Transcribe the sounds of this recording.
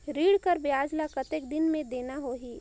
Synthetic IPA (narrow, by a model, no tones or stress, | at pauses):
ɾiːɽkəɾbɪaːd͡ʒlakɐt̪ekd̪ɪnmẽd̪eːnaɦoɦiː